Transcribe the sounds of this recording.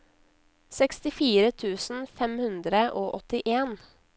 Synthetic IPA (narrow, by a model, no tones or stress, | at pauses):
sɛkst̪ɪfiːɾət̪ʰʉːsn̩fɛmhʉnd̪ɾəʔoːʔɔt̪ɪʔeːn